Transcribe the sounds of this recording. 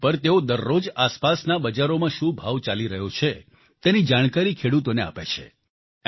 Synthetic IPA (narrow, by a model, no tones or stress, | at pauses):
pəɾt̪eod̪əɾːod͡ʒaspasnabəd͡ʒaɾomãʃũbʱaʋt͡ʃaliɾəɦjot͡ʃʰe | t̪enid͡ʒaɽ̃kaɾikʰeɽut̪onea̰pḛt͡ʃʰḛ